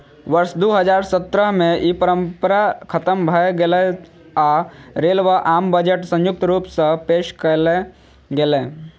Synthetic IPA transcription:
ʋəɾsd̪oːɦəd͡ʒaːɾsət̪ɾəɦmẽipəɾə̃mpəɾakʰət̪əmbʱəɡle | aɾeːlʋaʔaːmbəd͡ʒəʈsə̃jʊk̚t̪ɾuːpsəpeːʃkəle | ɡeleː

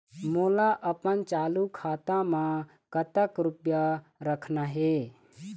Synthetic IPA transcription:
moːlaʔəpənt͡ʃaːlukʰaːt̪ãmã | kət̪əkɾupjaɾəkʰnaɦe

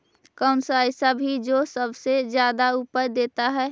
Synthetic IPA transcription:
kaʊnsaɪsabʱid͡ʒoːsəbsed͡ʒjaːd̪aupəɾd̪eːt̪aɦɛ

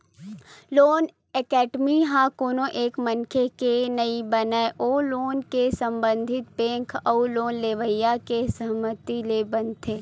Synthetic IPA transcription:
loːn | ekɛːɖmiɦãkoːnoʔeːkmɐnkʰekenɐibɐnaeʔoːloːnkesɐ̃mbə̃nd̪ʱɪt̪̚bẽːŋkʰɐuloːnleːʋəjakesɐɦmət̪ilebɐnt̪ʰeː

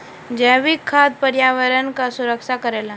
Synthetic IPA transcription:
d͡ʒəʋikʰːaːd̪̚pəɾjaːʋəɾənkasʊɾəkʃakəɾeːla

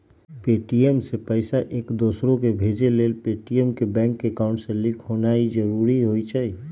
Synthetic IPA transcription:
peʈiemsepəɪsaʔekd̪osɾokebʱed͡ʒelelpeʈiemkebɛ̃ŋkːekaʊ̃ɳʈsẽlikʰɦonaid͡ʒəɾuɾiɦojt͡ʃʰəi

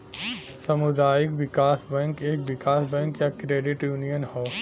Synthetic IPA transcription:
sɐmʊd̪aːjɪkʋɪkaːsbɛ̃ːŋkeːkʋɪkaːsbɛ̃ːŋkjakɾeːɖɪʈjuːnijənhoː

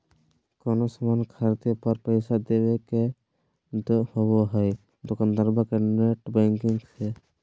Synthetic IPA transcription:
kɔnosɔmankʰaɾd̪epɔɾpəjsad̪ebeke | d̪hɔbɔɦɔj | d̪okand̪aɾbakeneʈbaŋkiŋsʰɛ

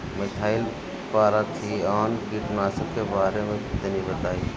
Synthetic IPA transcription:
mɪsʰaːɪl | paːɾat̪ʰiaːnɡɪʈnaːsəpkebaːɾemẽkɪt̪ənibət̪aːiː

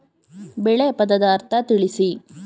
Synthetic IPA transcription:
bɛɭepɐd̪ɐd̪aːɾt̪ɐt̪iɭisi

